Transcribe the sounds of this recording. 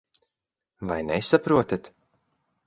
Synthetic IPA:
vajnɛsapɾuɔt̪at̪

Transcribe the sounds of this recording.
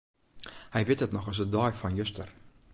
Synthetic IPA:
hɛjvetətnɔχɑs̬ədɑjfɑnjəstər

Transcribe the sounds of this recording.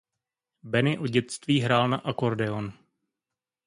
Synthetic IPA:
bɛnɪʔo̞ɟɛt̪st̪viːɦɾaːlnaʔako̞ɾdɛo̞n

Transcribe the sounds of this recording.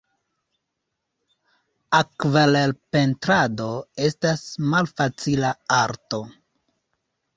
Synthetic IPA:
akvalelpe̞ntɾado̞e̞stasmalfat͡silaaɾto̞

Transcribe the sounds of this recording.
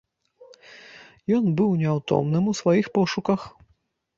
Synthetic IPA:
jɔnbɨwnʲɛawt̪ɔ̰mnɨmusvajixpɔʂukɐx

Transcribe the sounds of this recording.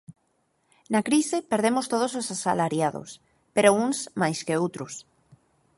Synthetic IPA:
nakɾisepeɾð̞emost̪oð̞ososasalaɾjaðo̰s | peɾounsmajskeowt̪ɾus

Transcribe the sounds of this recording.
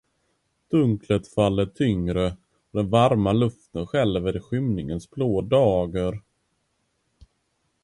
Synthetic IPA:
d̪̥ɵŋklət̪falːəʈʰʏŋɾə | d̪ɛnvaɾmalɵft̪ənɧɛlːəved̪ɧʏmnɪŋənsbʰloːd̪ɑːɡəɾ

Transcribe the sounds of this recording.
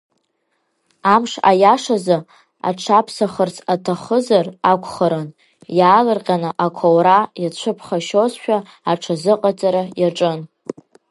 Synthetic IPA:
amʂa̰jaʂazɨ | a̰ʈ͡ʂʰapʰsaχərt͡sʰatʰaχəzarakʷʰʼχəɾɨn | jaːlɨrqʲʼanɨʔakʷʰowɾajat͡ɕʷʰɨpʰχaʃozʃᶣa | aʈ͡ʂʰazɨqʼat͡sʼaɾajaʈ͡ʂʼɨn

